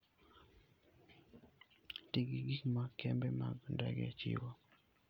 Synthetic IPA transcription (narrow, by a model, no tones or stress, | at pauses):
tiɡiɡikmakʰɛmbɛmaɡndaɡɛ̰t͡ʃḭwa